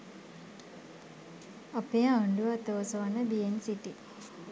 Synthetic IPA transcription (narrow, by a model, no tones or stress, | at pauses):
ɐpejaɳɖuʋaːt̪əʋosəʋanəbiensiʈi